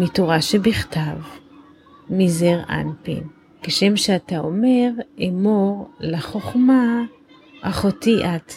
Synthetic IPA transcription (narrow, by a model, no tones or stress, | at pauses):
mitoʁaʃebiχtav | mizeʁa̰npḭn | keʃemʃeataome̞ʁemoʁlaχoχma | aχotiʔat